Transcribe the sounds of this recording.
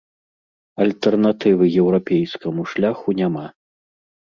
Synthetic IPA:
ɐlʲt̪ɛrnat̪ɨvɨjɛwɾapʲejskɐmuʂlʲaxunʲama

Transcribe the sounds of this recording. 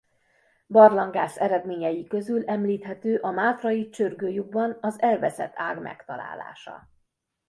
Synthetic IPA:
bɒrlɒŋɡaːsɛɾɛd̪meːɲɛjikø̞zylɛmliːt̪hɛt̪øːʔɒmaːt̪rɒjit͡ʃørɡøːjuɡ̚bɒnɒzɛlvɛsɛ̰t̪ʰːa̰ːɡmʔɛ̰kt̪ɒ̰la̰ːla̰ːʃɒ̰

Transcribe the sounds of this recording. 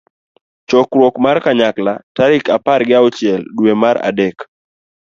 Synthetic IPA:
t͡ʃɔkɾwɔkmarkaɲaklataɾɪkapaɾɡɪaɔt͡ʃɪɛldwemaɾa̰dɛk

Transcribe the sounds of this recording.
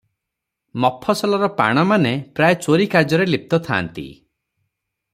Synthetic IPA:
mɔpʰːɔsɔlɔɾɔpa̰ɽ̃ɔmanepɾajt͡ʃoɾikaɾd͡ʒɔɾelip̚t̪ɔt̪ʰa̰ːnt̪ḭ

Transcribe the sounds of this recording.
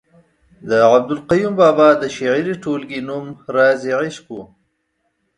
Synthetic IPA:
d̪əʕab̚d̪ʊlqajumbɑbɑd̪əʃaʕiɾiʈolɡinumɾɑziʕɪʃku

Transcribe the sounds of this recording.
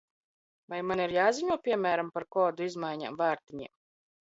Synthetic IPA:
vajmaniɾjaːziɲuɔpʲiɛmæːɾampaɾkɔːd̪uizmajɲa̰ːmvaːɾt̪iɲḭɛm

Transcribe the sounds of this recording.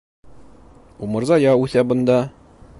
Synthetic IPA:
umɤ̆ɾzɑjɑʉθæbɤ̆nd̪ɑ

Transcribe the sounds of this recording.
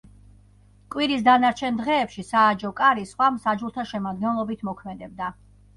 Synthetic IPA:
kʼwiɾisd̪anaɾt͡ʃʰɛnd̪ʁɛːpʃisaːd͡ʒɔkʼaɾisχwamsad͡ʒulˠt̪ʰaʃɛmad̪ɡɛnlˠɔbit̪ʰmɔkʰmɛd̪ɛb̚d̪a

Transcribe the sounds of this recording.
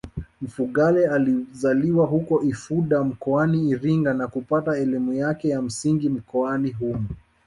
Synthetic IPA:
m̩fuɠalɛalizaliwaɦukɔʔifuɗam̩kɔaniːɾiŋɡanakupataɛlimujakɛjam̩siŋɡim̩kɔaniɦumu

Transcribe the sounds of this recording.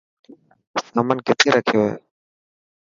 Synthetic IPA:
səmənkɪt̪ʰeːɾəkʰɪjoːɦḛː

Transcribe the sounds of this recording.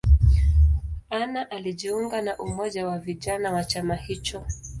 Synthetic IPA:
anaʔaliʄiuŋɡanaʔumɔʄawaviʄanawat͡ʃamahit͡ʃɔ

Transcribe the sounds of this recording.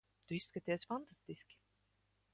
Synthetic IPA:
t̪uiskat̪ʲiɛsʲfant̪ast̪iskʲi̥

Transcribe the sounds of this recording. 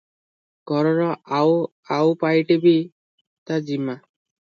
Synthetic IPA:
ɡ̥ʱɔɾɔɾɔaw | awpajʈebi | t̪ad͡ʒima

